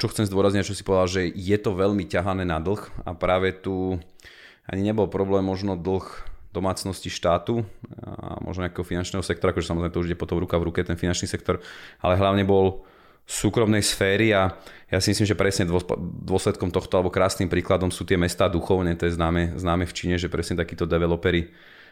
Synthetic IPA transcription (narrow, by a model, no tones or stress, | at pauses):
t͡ʃɔxt͡sɛmzd̪ʊɔɾazɲicat͡ʃɔsipɔʋɛd̪alʒɛjɛt̪ɔʋɛʎmicaɦanɛːnad̪l̩ˠxa̰pɾaːʋɛt̪u | a̰ɲiɲɛbɔlpɾɔblɛːmːɔʒnɔd̪l̩xd̪̥ɔmaːt͡snɔsciʃt̪aːt̪u | a̰mɔ̰ʒnɔɲakɛːɦɔfinant͡ʃnɛːɦɔsɛk̚t̪ɔɾakɔʒɛsamɔzɾɛɪmɛt̪ɔuʒiɟɛpɔt̪ɔmɾukavɾukɛt̪ɛnfinant͡ʃniːsɛkt̪ɔɾa̰lɛɦlaʊɲɛbɔl | suːkɾɔmnɛjsfɛːɾiajasimislimʒɛpɾɛsɲɛd̪ɔd̪ʊɔslɛt̪kɔmt̪ɔxt̪ɔalɛbɔkɾaːsnimpɾiːklad̪ɔmsuːt̪ɪɛmɛst̪aːd̪uxɔʊɲɛt̪ɔjɛznaːmɛznaːmɛft͡ʃiɲɛʒɛpɾɛsɲɛt̪akiːt̪ɔd̪ɛʋɛlɔpɛɾi